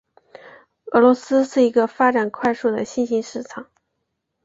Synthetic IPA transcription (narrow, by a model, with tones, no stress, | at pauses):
ɤ˧˥lwɔ˧˥sɹ̩˥ʂɻ̩˥˩i˧˥ɡə˧fa˥ʈ͡ʂa˨˩nkʰwa˥˧ɪʂu˥˩d̪ə˩ɕi˥˧nɕi˧˥nʂɻ̩˥˩ʈ͡ʂʰɑ˨˩˦ŋ